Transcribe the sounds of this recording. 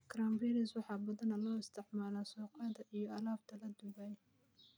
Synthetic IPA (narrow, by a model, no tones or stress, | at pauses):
kʰɾamvɛːɾɪswɑħɑːbɐðɐnɐlɔːɪst̪ʰɪʕmaːlaːsɔːqɐðɐʔijɔɐlaːbt̪ʰɐlɐd̪ʊβɛj